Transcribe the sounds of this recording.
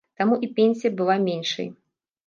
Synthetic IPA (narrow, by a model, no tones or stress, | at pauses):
t̪amuʔipʲenʲsʲijɐbɨlˠamʲenʲʂɐ̰j